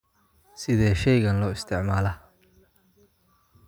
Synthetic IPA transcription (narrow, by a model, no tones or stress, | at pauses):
sɪðɛːʃɛjɣɐnlɔːɪst̪ʰɪʕmaːlɐ